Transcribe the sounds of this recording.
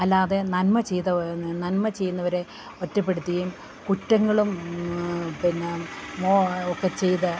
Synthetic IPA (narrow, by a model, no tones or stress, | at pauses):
ɐlːaːðe̞nɐnmɐt͡ɕejt̪ɐnɐnmɐt͡ɕe̞jːunːɐʋɐɾe̞ | otːɐp̬ːe̞ɽut̪ːɐjum | kutːɐŋːɐɭum | pinːemoːokːet͡ɕe̞jt̪ɨ